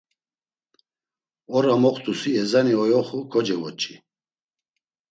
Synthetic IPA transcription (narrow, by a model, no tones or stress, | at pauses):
ɔɾamɔqt̪ʼusiɛzaniɔjɔχukʰɔd͡ʒɛvɔt͡ʃʼi